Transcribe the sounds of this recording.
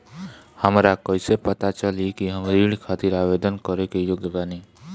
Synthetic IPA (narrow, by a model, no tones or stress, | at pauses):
həmɾakɔjsepət̪at͡ʃəlikiɦəmɾiɽkʰaːt̪iɾaːʋed̪ənkəɾekejoɡeʋani